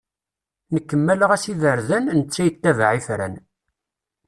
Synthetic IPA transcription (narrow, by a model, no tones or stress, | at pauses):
nəkːəmːæləʁæsiðəɾðænnət͡sːæjət̪ːævʕifɾæ̰n